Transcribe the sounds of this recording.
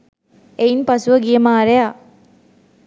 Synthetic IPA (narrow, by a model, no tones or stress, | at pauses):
einpasuʋəɡijemaːɾeja